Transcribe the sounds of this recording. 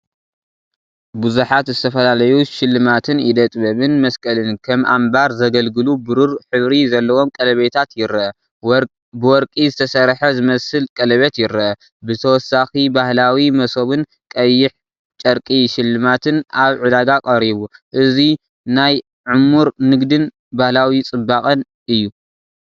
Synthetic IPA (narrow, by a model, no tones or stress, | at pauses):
buzuħat̪zɨt̪ʰɐfɐlalɐjuʃɪlːɨmat̪ʰɨnid̪ɐt̪ʼbɐβɨnmɐskʼɐlɨnkʰɐmʔa̰mbaɾzɐɡɐlɡɨlubɨɾuɾħɨβɾizɐlːɐwo̞mkʼɐlɐβet̪ʰat̪jɪɾɐɐ | bɨwɔɾkʼizɨt̪ʰɐsɐɾħɐzɨmɐsɨlkʼɐlɐβet̪jɪɾɐɐ | bɨt̪ʰɐwɔsːaxibahlawimɐso̞βɨn | kʼɐjːɪħ | t͡ʃʼɐɾkʼiʃɪlːɨmat̪ʰɨnaβʕɨd̪aɡakʼɐɾiβuʔɨzi | naj | ʕʊmːuɾnɨɡd̪ɨn | bahlawit͡sʼɨbːakʼɐn | ʔɨjːu